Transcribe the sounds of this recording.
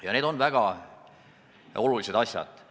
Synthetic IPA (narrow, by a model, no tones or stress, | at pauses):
jɑneːd̪o̞nvæɡ̥ɑ | o̞lulise̞d̪ɑsʲjɑ̰d̪̥